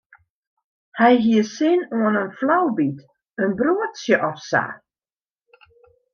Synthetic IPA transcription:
hɛjɦiəsɪnoənənflawbit | ənbruətsjəʔɔfsa̰

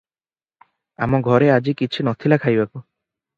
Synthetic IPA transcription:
a̰mɔɡʱɔɾead͡ʒikit͡ʃʰinɔt̪ʰilakʰajbaku

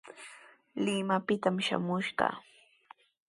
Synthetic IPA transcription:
lɪmapɪt̪amʃa̰mʊʃɢɑ̰

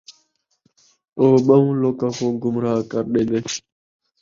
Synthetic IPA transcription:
oːɓamũloːkakoːɡʊmɾaːkaɾɗele

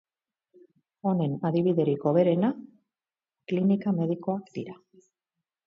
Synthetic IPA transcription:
o̞ne̞naðiβiðe̞ɾiko̞βe̞ɾe̞na | klinikame̞ðiko̞akd̪iɾa

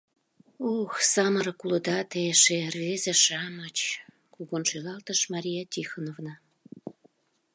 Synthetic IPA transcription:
oxsɑməɾɤkuləd̪ɑt̪eʃervezeʃɑmət͡ɕ | kuɣonʃelɑlt̪əʃmɑɾʲijat̪ʲixənovnɑ

